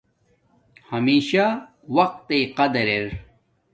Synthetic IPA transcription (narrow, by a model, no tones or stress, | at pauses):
hɐmiːɕa | wɐq̚t̪ejqɐd̪ɐɾeɾ